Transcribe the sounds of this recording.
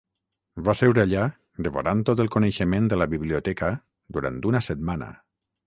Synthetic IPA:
vasewɾeaʎa | d̪əβo̰ɾant̪ot̪əlˠkoneʃəmẽnd̪ələβiβliot̪ɛkə | d̪uɾa̰nt̪unəsət̪manə̰

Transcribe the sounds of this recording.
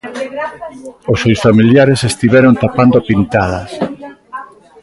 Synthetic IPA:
osewsfamiljaɾesest̪iβɛɾont̪apand̪opint̪aðɐs

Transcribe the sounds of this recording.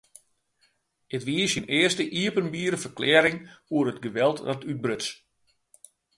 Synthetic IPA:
ətʋiəsjənɪərstəʔiəpənbiːɾəfərklɛːɾɪŋuəɾətɡəʋɛlˠtnɔtʰyt̚brøtt͡s

